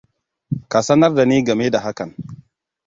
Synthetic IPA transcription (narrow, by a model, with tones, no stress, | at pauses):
ka˨sɐ˦nɐ˦rda˨niː˦ɡɐ˨meː˦da˨ɦa˦kɐ˨n